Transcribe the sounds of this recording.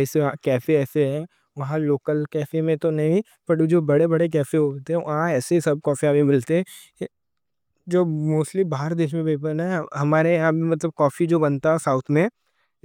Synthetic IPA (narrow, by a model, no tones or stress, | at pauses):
ɛːseãkɛːfeɛːseɦɛ | ʋɐɦãloːkəlkɛːfemẽt̪onɐɦĩ | pɐʈd͡ʒoːbɐɽebɐɽek̬ɛːfeɦot̪eɦɛ̃ʋʔɐɦãɛːseisɐb̚kɔːfiabʱimɪlt̪eɦɛ̃ | d͡ʒoːmoːsʈlibaːɦəɾd̪eːʃmẽbeːp̬ənɛɦɐmaːɾejɐɦãbʱimɐt̪ləb̚kɔːfid͡ʒoːbɐ̃nt̪aɦɛsaːʊt̪ʰmẽ